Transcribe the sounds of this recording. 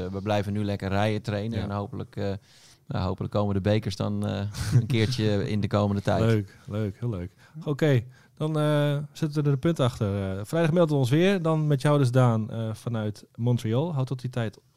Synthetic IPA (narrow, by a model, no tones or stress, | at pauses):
ʋəblɛjvənːylɛkərːɛjətrejnənɛnɦowpələk | ja̰ɦowpələkːoːmədəbejkəɹsdɔ̰nənkɪːɹt͡ʃəɪ̰ndəkoːməndətɛjløːkløːkhɪløːk | okej | d̥ɔnəsɪtənʋədədəpøntaxtərfrɛjdaχmɪlˠdəɔns̬ʋɪərdɔnmɛtjawdəs̬daːnəfanœɥtmɔntriolˠɦawtɔtitʰɛjt